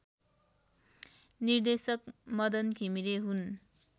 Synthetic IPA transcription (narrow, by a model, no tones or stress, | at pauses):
nird̪esʌkmʌd̪ʌnkʰimiɾeɦun